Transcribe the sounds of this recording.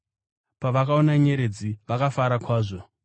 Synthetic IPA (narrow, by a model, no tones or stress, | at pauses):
paʋakao̞naɲe̞ɾe̞d͡ziʋakafaɾakwaːʐo̞